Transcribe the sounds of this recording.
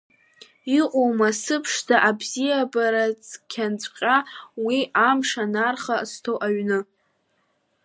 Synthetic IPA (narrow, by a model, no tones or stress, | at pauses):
iqʷʼowmasɨpʰʂzaʔabzijabaɾat͡sʼkʲʰant͡sʷʼqʲʼawiʔamʂanarχastʰowʔaɥnɨ